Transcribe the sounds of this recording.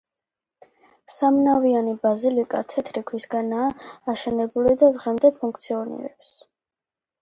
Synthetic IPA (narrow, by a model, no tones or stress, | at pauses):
samnavianibazilikʼat̪ʰɛt̪ʰɾikʰwisɡanaːʃɛnɛbulid̪azʁɛmd̪ɛpʰuŋk̚ʰt̪sʰiɔnḭɾɛps